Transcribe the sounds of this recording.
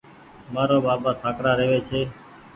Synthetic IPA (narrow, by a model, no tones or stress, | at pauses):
maːɾoːbaːbaːsaːkɾaːɾeːʋeːt͡ʃʰeː